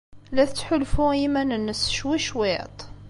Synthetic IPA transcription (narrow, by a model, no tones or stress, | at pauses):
læθt͡sːħʊlfuimænənːəsʃwiʃwet̪ˤ